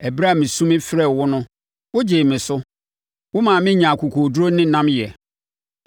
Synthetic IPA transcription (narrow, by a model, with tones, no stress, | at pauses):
ɛ˨bɾa˦˨mɪ̃˨sũ˦mɪ̃˦fɾɛ˨wʊ˦nʊ̃˦ | wʊ˦d͡ʑeː˨mɪ̃˨sʊ˦ | wʊ˦mãː˨mɪ̃˦ɲã˨kʰu˨kʰo˨du˦ɾo˦nɪ̃˦nã˦mjɛ˨